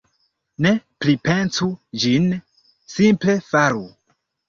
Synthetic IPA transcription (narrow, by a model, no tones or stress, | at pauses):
ne̞plipe̞nsud͡ʒin | simple̞faɾu